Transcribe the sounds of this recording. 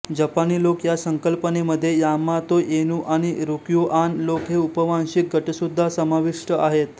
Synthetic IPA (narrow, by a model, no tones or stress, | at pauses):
d͡ʑəpaniːlokjasəŋkəlpəneməd̪ʱːjejamat̪oʔenuʔaɽ̃iɾukjuʔanlokɦeupəʋanɕik̚ɡʱəʈəsud̪ʱːasəmaʋiʂʈəʔaɦet̪